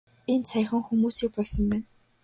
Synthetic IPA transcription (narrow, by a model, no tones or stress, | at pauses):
ent͡sʰæjχə̆ŋxumuːsiːk̚pɔɮsɞ̆mpæːn